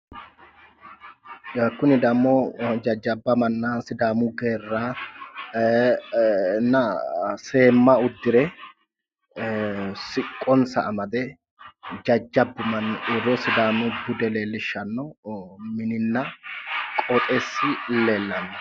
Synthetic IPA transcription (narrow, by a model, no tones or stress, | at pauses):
ɐkːʊnɪd̪ɐmːɔd͡ʒɐd͡ʒːɐbːɐmɐnːɐsɪd̪aːmʊɡe̞ːrːaː | nɐse̞ːmːɐʊd̪ːɪɾɛ | sɪkʼːɔnsɐ̰ʔːmɐd̪ɛ | d͡ʒɐd͡ʒːɐbːʊmɐnɪrːɔsɪd̪aːmʊbʊd̪ɛleːlːɪʃːɐnːɔmɪnɪnːɐkʼɔt̪ʼesːɪlːeːlːɐnːɐ